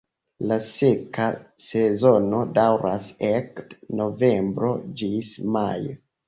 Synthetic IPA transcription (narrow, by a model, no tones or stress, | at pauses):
lasekase̞zo̞no̞dawɾʔasekno̞ve̞mbɾo̞̰d͡ʒismajo